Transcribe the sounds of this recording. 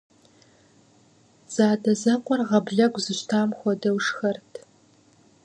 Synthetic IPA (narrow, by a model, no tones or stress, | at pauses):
z̥aːdɐzɐqʷɔrʁɐbɮɐɡʷzɨɕtʰaːmxʷɔdɐwʂxɐrtʰ